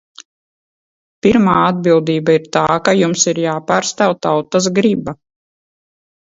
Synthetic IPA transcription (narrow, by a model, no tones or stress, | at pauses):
piɾmaːad̪̚bilˠd̪iːbaiɾt̪aːkajumsiɾjaːpaːɾst̪awt̪awt̪as̬ɡɾiba